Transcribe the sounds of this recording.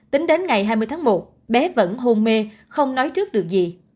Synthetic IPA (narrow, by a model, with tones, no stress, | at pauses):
t̪ï˨˦ŋ̟ɗe˨˦nŋa˨˩jɦaː˧jmɨ˧jt̪ʰaː˨˦mo˨˩t̚ | ɓɛ˨˦və̰˧˥nɦo˧nme˧ | xə˧wŋ͡mnɔ˨˦jt͡ɕɨ˦˥ək̚ɗɨ˨˩ək̚zi˨˩